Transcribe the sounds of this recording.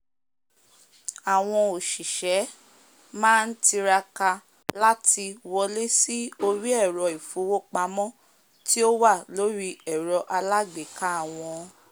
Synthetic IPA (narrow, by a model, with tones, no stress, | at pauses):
a˨w̃ɔ̃˧o˨ʃi˨ʃɛ˨˦ | mãː˦n̩˦ti˧ɾa˧ka˧ | la˦ti˧wɔ˧le˦si˦o˧ɾi˦ɛ˦˨ɾɔ˧i˨fu˨˦wo˦k͡pa˧mɔ̃˦ | ti˦o˦wa˦˨lo˨˦ɾi˧ɛ˨ɾɔ˧ʔa˧la˦ɡ͡be˨ka˨˦a˦˨w̃ɔ̃˧